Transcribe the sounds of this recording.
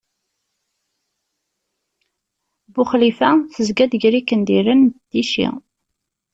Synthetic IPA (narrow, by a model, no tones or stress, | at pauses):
bʊχlifæθəzɡæd̪ʝɾikːənd̪iɾənd̪̥iʃḭ